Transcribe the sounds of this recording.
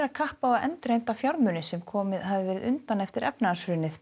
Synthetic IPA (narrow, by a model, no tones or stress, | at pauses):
ɾaðkʰahpawaðɛ̰nt̪ɾejnt̪afjawɾmʏnɪsɛmkʰɔːmɪðhavɪvɛːɾɪðʏnt̪anɛft̪ɪɾɛpnaasɾʏːnɪθ